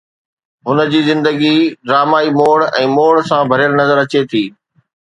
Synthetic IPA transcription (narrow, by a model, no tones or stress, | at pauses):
ɦʊnə̆d͡ʑiːzɪ̃nd̪əɡiɖɾaːmaːimoːɽɛ̃ːmoːɽsãbʱɐɾɪjəlnɐzəɾɐt͡ɕet̪ʰiː